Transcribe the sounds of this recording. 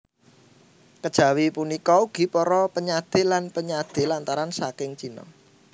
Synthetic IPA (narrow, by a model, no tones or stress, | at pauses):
kəd̥ʒ̥ä̤wipunikɔuɡ̥i̤pɔɾɔpəɲad̪̥e̤lanpəɲad̪̥e̤lant̪aɾansakɪŋt͡ʃinɔ̰